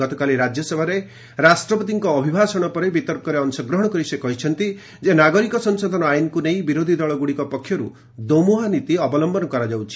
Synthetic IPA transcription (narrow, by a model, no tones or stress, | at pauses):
ɔt̪ɔkaliɾad͡ʒjɔsebʱaɾe | ɾasʈɾɔpɔt̪̬iŋkɔːbʱibʱasɔɽ̃ɔpɔɾebit̪ɔɾkɔɾeɔnsɔɡɾɔɦɔɽ̃ɔkɔɾisekɔɦit͡ʃʰɔn̪t̪i | d͡ʒenaɡɔɾikɔsɔnsɔd̪ʱɔnɔajnɔkunej̃biɾod̪ʱid̪ɔɭɔɡuɽikɔpɔkʰːjɔɾṵ | d̪omuɦanit̪iɔbɔlɔmbɔnɔkɔɾad͡ʒawt͡ʃʰi̥